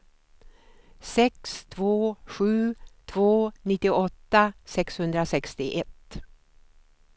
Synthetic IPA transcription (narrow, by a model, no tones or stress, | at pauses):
sɛkst̪ʰvoːɧʉ̟ːt̪ʰvoːnɪt̪ːɪɔt̪ːasɛkshɵnd̪ɾasɛkst̪ɪʔɛt̪